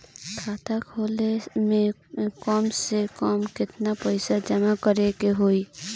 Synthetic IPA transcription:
kʰaːt̪ʰakʰoːlemẽkɔːmsekɔːmkɪt̪napɛɪsad͡ʒɐmakəɾekeɦoːiː

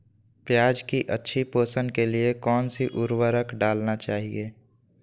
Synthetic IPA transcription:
pjaːd͡ʒkiʔətːʃʰipoːsənkeliekɔːnsiʔʊɾwəɾəkɖaːlnat͡ʃaːɦieː

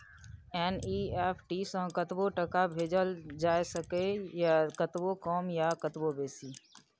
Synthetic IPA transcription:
ɛːniːeːpʰʈiːsə̃kət̪ʋoʈəkabʱeːd͡ʒəld͡ʒaːesəkejkət̪ʋokɔːmjakət̪wobeːsiː

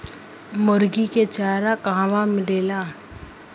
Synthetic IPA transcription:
mʊɾɡiket͡ʃaːɾakãːʋamɪleːlaː

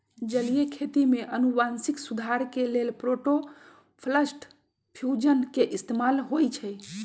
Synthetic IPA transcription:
d͡ʒəlijekʰet̪imeʔənubansiksud̪ʱaɾkelelpɾoʈo | pʰləsʈ | pʰjud͡ʒənkeʔist̪emalɦojt͡ʃʰɛj

